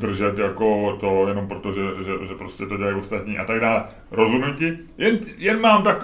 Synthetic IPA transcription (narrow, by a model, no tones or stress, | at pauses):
d̪r̩ʒɛt̪jako̞t̪ojɛno̞mpɾo̞t̪o̞ʒɛʒɛʒɛpɾo̞scʲɛt̪o̞dɟɛlajo̞st̪at̪ɲiːʔat̪aɡdaːlɛ | ɾo̞zumɲʊcɪ | jɛnjɛnmaːmt̪ak